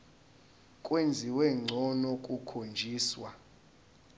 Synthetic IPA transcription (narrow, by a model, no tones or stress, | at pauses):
kʼwend͡zʱiwɛŋ͡ǀʱɔnɔkʼukʰond͡ʒʱiːswa